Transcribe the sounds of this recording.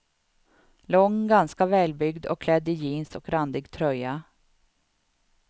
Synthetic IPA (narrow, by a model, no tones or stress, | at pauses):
lɔŋːɡanskavɛːlbʏɡd̪ɔ̰kʰːlɛd̪ːɪjiːnsɔkɾand̪ɪɡt̪ʰɾœjːa